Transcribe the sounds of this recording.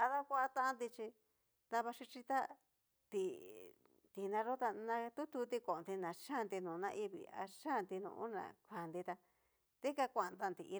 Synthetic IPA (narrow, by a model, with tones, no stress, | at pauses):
a˧ða˦kʷa˦a˧t̪ã˦˧nd̪i˧t͡ʃi˧ | t̪ã˧βa˧ʂi˧t͡ʃi˧t̪a˦ | t̪i˧ | t̪i˨nã˧ɾo˦t̪a˧nã˧t̪u˦t̪u˧t̪i˧kõ˨nd̪i˧nã˨ʂa˦˨˧nd̪i˧nũ˨˧nã˧ʔi˧βḭ˨a̰˧ʂa˦˨nd̪i˧nṵ̃˧ʔṵ˦nã̰˨kʰʷa˨nd̪i˧t̪a˧ | t̪i˦ka˧kʷã˧˨˧nd̪a˧nd̪i˧ʔi˧